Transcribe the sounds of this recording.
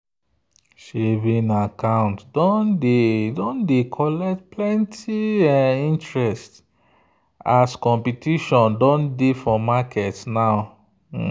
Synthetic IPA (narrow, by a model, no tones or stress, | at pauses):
ʃevĩnakãʊ̃ntdɔ̃ndedõndekʰɔlɛktplɛ̃ntʰiĩntɹɛst | askɔ̃mpitiʃɔ̃ndɔ̃ndefɔmakʰɛtnaʊ